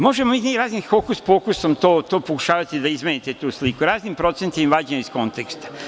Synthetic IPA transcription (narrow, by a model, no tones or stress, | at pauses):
mo̞ʒemomiiɾaːznimfokuspokusomt̪oːt̪o̞ːpokuʃaːʋat̪id̪aizmenit̪et̪uːslikuɾaːznimpɾo̞t̪sent̪imʋaːd͡ʑemisko̞nt̪ekst̪ḁ